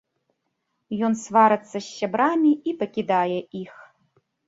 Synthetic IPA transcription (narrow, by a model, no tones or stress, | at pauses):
jɔnsvaɾɐt̪sːɐɕʲːabɾamʲiipɐkʲid̪ajɛʔix